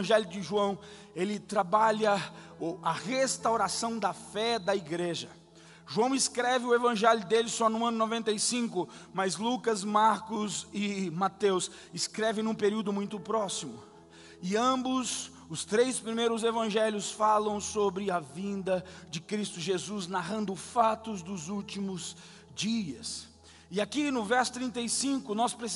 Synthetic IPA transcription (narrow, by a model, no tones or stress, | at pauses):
ɐ̃ʒɛljʊd͡ʒɪʒuɐ̃w̃ | elɪt̪ɾabaʎɐ | ɐʁest̪awɾasɐ̃w̃d̪ɐfɛd̪ɐiɡɾeʒɐ | ʒuɐ̃w̃ɪskɾɛvɪʊevɐ̃ʒɛljʊd̪elɪsɔnũɐ̃nʊnovẽnt̪ejsĩŋkʊmɐzlukɐzmaɾkʊzɪmat̪ews | ɪskɾɛvẽj̃nũpeɾiwd̪ʊmũj̃t̪ʊpɾɔsimʊ̰ | ɪɐ̃bʊs | ʊst̪ɾejspɾimejɾʊzevɐ̃ʒɛljʊsfalɐ̃w̃sobɾɪɐvĩnd̪ɐd͡ʒɪkɾist̪ʊʒezuznaɦɐ̃nd̪ʊfat̪ʊzd̪ʊzuwt͡ʃimʊz | d͡ʒiɐs | ɪakinʊvɛɾsʊ̥t̪ɾĩnt̪ejsĩŋkʊnɔspɾes